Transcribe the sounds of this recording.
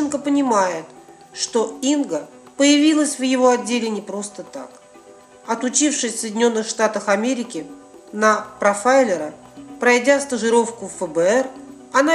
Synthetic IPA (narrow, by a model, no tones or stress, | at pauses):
ɪnkəpənʲɪmajɪt̪ | ʂt̪o̞inɡə | pəjɪvʲilˠəsʲvjɪvo̞ɐdʲːelʲɪnʲɪpɾo̞st̪ət̪a̰k | ɐt̪ʊt͡ɕifʂɨsʲsəjdʲɪnʲo̞nːɨxʂt̪at̪əxɐmʲeɾʲɪkʲɪ | nəpɾɐfaɪlʲɪɾə | pɾɐjdʲast̪əʐɨɾo̞fkʊfəbəɛr | ɐna